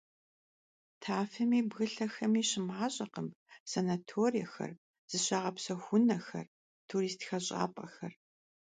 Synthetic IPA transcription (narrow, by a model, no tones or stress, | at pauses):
tʰaːfɐmiːbɣɨɬɐxɐmiːɕɪmaːɕʼɐqəm | sɐnatʰoːrijɐxɐ̰r | z̥ɨɕɐʁɐpsɐxʷʊnɐxɐ̰r | tʰuɾiːstxɐɕʼa̰ːpʼɐxɐr